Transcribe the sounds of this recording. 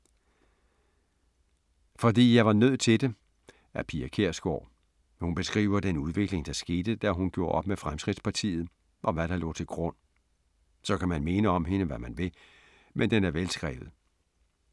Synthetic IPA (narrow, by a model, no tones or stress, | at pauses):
fɒ̽d̥ḭːjɑ̈ɪʋɑ̈nøð̞̰ˠt͡sʰe̝d̥e̝ | ʔæpʰiækʰe̝ɐ̰sɡ̥ɒ̰ː | hunb̥e̝sɡ̥ʁḭːʊɐd̥enuð̞ˠʋe̝ɡ̥le̝ŋd̥ɑ̈sɡ̥e̝ːd̥əd̥æɦunɡ̥jo̝ɐʔɒ̽b̥mefʁamsɡ̥ʁid̥spʰɑ̈t͡sʰḭːð̞̩ˠ | ʔɒ̽ʋæɾ̥ɑ̈lɔ̰ːt͡sʰe̝lɡ̥ʁɔn̰ | sɒ̽kʰæmænme̝nəɒ̽mɦe̝nəʋæmænʋe̝ | mʔend̥enæɐʋelsɡ̥ʁɛ̰ːʋð̩ˠ